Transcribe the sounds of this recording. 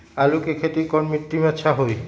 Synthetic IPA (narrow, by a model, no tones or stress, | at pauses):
alukekʰet̪ikɔnmit̪ːimɛtːʃʰaɦoj